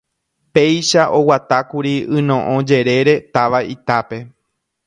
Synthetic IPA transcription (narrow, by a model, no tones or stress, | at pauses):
pe̞jʃaʔo̞wat̪akuɾiɨ̃nõ̞ʔõd͡ʒe̞ɾe̞ɾe̞t̪aʋait̪ape̞